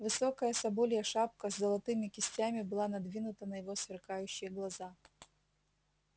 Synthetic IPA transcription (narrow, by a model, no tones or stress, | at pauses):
vɨsɔkɐjɐsɐbɔlʲjɐʂap̚kɐzzɐlˠɐt̪ɨmʲɪkʲɪsʲt͡sʲamʲibɨlˠanɐd̪vʲinʊt̪ɐnɐjɪvɔsvʲɪrkajʉɕːɪjɐɡlˠɐza